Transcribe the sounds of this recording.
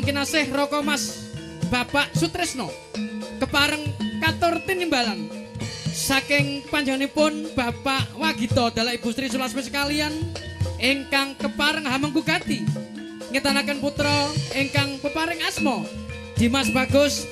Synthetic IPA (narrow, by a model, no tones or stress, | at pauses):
ŋkinasɪhrɔkɔmas | b̥a̤paʔsut̪ɾɪsnɔ | kəpaɾəŋkat̪ʊrt̪inimbalan | sakɪŋpaɲd͡ʒanepʊnb̥a̤paʔwaɡ̥i̤t̪ɔd̪̥alaʔib̥ust̪ɾisulasmes̬ə̥kalianʔɪŋkaŋkəpaɾəŋɦaməŋkuɡa̤t̪i | ŋət̪anakənput̪ɾɔʔɪŋkaŋkəpaɾɪŋasmɔ | d̪̥i̤masb̥a̤ɡ̥ʊs